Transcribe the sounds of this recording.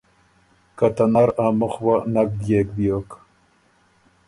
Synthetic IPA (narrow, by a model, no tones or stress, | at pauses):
kat̪anaɾamʊχwanak̚d̪jek̚b̪jok